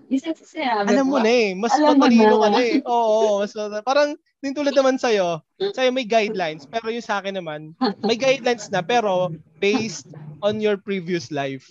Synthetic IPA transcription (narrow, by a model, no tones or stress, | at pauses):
ɐllɐmːonɐɛmɐsmɐt̪ɐliːnokɐnaɛʔoːʔomɐsɐt̪ɐpaːɾɐŋ | nɪnt̪uːlɐd̪̚nɐmansɐjo̞ | sɐjo̞mɐjɡajd̪lajnspɛːɾo̞jʊŋsɐʔaːkɛnːɐmanmɐjɡajd̪lajnsnɐpɛːɾo̞bejst̪̚ʔonjɔɹpɹiviʊslajf